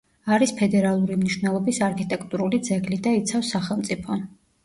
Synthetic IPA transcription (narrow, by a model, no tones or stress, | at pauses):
aɾispʰɛd̪ɛɾalˠuɾimniʃwnɛlˠɔbisaɾkʰit̪ʼɛkʰʼt̪ʼuɾulid̪zɛɡlid̪ait̪sʰafsːaχɛlˠmt̪sʼipʰɔ